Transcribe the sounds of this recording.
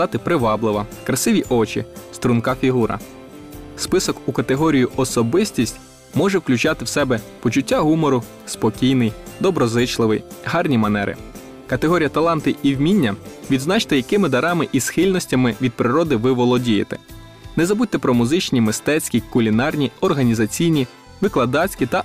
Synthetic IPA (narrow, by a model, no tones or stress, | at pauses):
ɑt̪ɪpɾɪʋɑblˠɪʋɐkɾɐsɪʋʲiʔɔt͡ʃḭst̪ɾʊnkɑfʲiɦuɾɐ̰ | spɪsɔkukɐt̪eɦɔɾʲijiʔɔsɔbɪsʲtʲisʲtʲ | mɔʒɛwklʲʉt͡ʃɑt̪ɪwsɛbɛpɔt͡ʃʊtʲːaɦumɔɾʊ | spɔkʲijnɪjd̪ɔbɾɔzɪt͡ʃlˠɪʋɪjɦɑrnʲimɐnɛ̰ɾɪ̰ | kɐt̪eɦɔɾʲijɐt̪ɐlˠɑnt̪ɪʔiwmʲinʲːɐʋʲid̪znɑt͡ʃt̪ɛjɐkɪmɪd̪ɐɾɑmɪʔisxɪlʲnɔsʲtʲɐmɪʋʲid̪̚pɾɪɾɔd̪ɪʋɪʋɔlˠɔdʲijɪ̰t̪ɛ̥ | nɛzɐbutʲt̪ɛpɾɔmʊzɪt͡ʃnʲimɪst̪ɛt͡sʲkʲikʊlʲinɑrnʲiɔrɦɐnʲizɐt͡sʲijnʲi | ʋɪklˠɐd̪ɑt͡sʲkʲit̪ɐ